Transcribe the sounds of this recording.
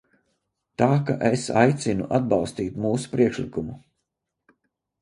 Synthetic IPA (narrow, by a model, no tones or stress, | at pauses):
t̪aːka̰ʔesajt̪sʲinṵʔad̪̚bɑlˠst̪iːt̪muːsu̥pɾiɛkʃlikumu